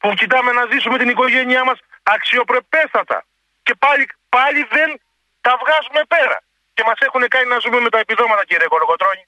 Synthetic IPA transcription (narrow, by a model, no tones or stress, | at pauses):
pucit̪ɐme̞nɐzisume̞t̪iniko̞ʝe̞ɲiɐmɐsɐksio̞pɾe̞pe̞st̪ɐt̪ɐ̰ | ce̞pɐlipɐʎiðe̞n | t̪ɐvɣɐzume̞pe̞ɾɐ̰ | ce̞mɐse̞xune̞kɐninɐzume̞me̞t̪ɐepiðo̞mɐt̪ɐciɾiɐko̞loko̞t̪ɾo̞ɲi